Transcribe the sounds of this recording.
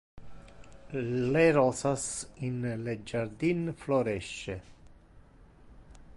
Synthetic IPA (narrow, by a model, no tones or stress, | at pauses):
leɾɔsasinled͡ʒaɾd̪infloɾɛʃːe